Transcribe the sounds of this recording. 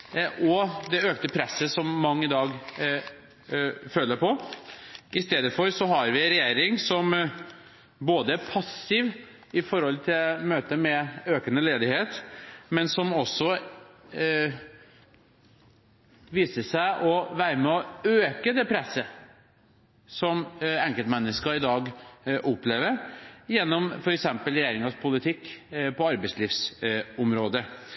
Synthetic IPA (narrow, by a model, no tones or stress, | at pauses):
ʔɔd̪ɛøːkt̪əpʰɾɛsːəsɔmːɑŋːɪd̪ɑːɡ | føːlːəpʰɔ | ʔɪst̪eːd̪əfɔɾsɔɦɑɾʋɪɾɛjeːɾɪŋsɔm | boːd̪əæɾpʰɑsɪʋ | ɪfɔɾhɔlt̪ʰɪlmøːt̪əmɛøːkənəleːd̪ɪheːt̪mɛnsɔmɔsːɔ | ʋiːsəʂæɪʔɔʋæːɾəmɛɔøːkəd̪ɛpʰɾɛsːə | sɔmɛŋkɛlt̪mɛnːəskɑɪd̪ɑːɡʔʊpːleːʋəɾjɛnːɔmfɔɾɛksɛmpəlɾɪjeːɾɪŋɑspʰʊlɪt̪ʰɪkːpʰɔɑɾbəɪsliːfsʊmɾoːd̪ə